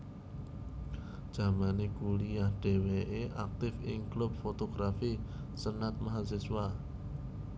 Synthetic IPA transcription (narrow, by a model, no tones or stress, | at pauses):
ʒ̥a̤manekulijahɖ̥e̤weʔeʔak̚t̪ɪfɪŋklub̚fot̪oɡ̥ɾafisənat̪̚maɦas̬ɪswa